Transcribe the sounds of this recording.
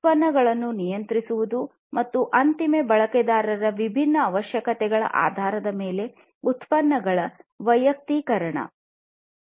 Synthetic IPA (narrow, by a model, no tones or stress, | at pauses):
t̪̚pɐnːɐɡɐɭɐnːunijɐnt̪ɾisuʋud̪u | mɐt̪ːuʔɐnt̪imebɐɭɐkɛd̪aːɾɐɾɐʋibʱinːɐːʋɐʃjɐkɐt̪ɛɡɐɭɐ̰ʔa̰ːd̪ʱaːɾɐd̪ɐme̞ːle̞ | ut̪pɐnːɐɡɐɭɐʋɐjɐk̚t̪ikɐɾɐɳɐ̰